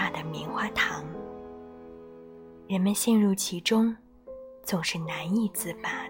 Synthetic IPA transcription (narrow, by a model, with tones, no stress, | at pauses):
a˥˩d̪ə˩mi˧˥ŋxwa˥˩t̪ʰɑ˧˥ŋ | ɻə˧˥nmə˧nɕjɛ˥˧nɻu˥˩t͡ɕʰi˧˥ʈ͡ʂʊ˥ŋ | t͡sʊ˨˩ŋʂɻ̩˥˩na˧˥ni˥˩t͡sɹ̩˥˩pa˩